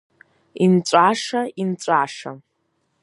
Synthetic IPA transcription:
int͡sʷʼaʂaint͡sʷʼaʂa̰

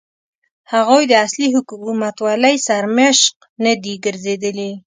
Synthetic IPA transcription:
haɣujd̪əasliɦʊkuumat̪wɑləjsaɾmeʃq̚ | nad̪iɡəɾzed̪əli

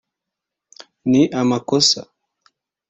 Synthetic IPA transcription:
niʔamakɔsa̰

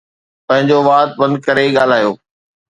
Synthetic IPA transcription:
pɐ̃ɦɪ̃ɲd͡ʑoʋaːt̪̚bɐ̃nd̪̚kɐɾeɠaːl̤aːjoː

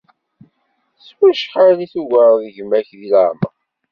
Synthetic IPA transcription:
swæʃħaniθuʝəɾˤðʝəmæçðilaɾmə̰

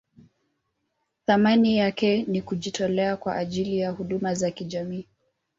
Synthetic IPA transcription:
θamanijakɛnikuʄitʰɔlɛakwaʔaʄilijahuɗumazakiʄamiː

